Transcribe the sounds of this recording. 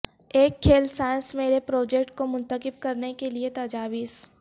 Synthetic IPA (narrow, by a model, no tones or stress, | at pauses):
eːkʰːeːlsaːɪnsmeːɾepɾɔːd͡ʒekʈ̚komʊ̃nt̪əkɪb̚kɐɾnekeliet̪ɐːd͡ʒaːʋiːs